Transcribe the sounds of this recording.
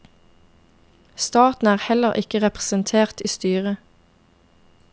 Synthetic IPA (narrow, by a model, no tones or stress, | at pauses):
st̪ɑːt̪n̩æːʁhɛləʁʔɪkəʁɛpʁəsənt̪ʰeːʁt̪iːst̪yːʁə